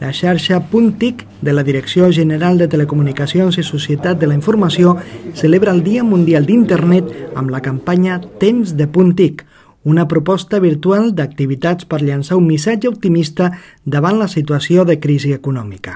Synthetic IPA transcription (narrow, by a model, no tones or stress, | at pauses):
lʔəʃaɾʃəpunt̪ik | d̪ələðiɾəksioʒənəɾalˠd̪ət̪ələkumunikəsionzisusjət̪at̪̚d̪ələiɱfuɾmasiosəleβɾəːlˠd̪iəmund̪ialˠd̪int̪ərnɛt̪ə̰mləkəmpaɲət̪emzðəpunt̪ik | unəpɾupɔst̪əβ̞iɾt̪ualˠd̪ək̚t̪iβ̞it̪at͡spəɾʎansaumːisad͡ʒəup̚t̪imist̪ə | d̪əβanləsit̪uəsioðəkɾiziəkunɔmikə